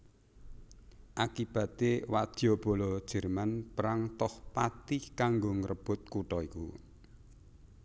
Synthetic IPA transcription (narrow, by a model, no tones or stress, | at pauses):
ʔakib̥ä̤t̪ewadd̥ɔ̤b̥o̤lɔd̥ʒ̥ə̤rmanpəɾaŋt̪ɔhpat̪ihkaŋɡoŋəɾəb̥ʊ̤t̪̚kuʈɔikṵ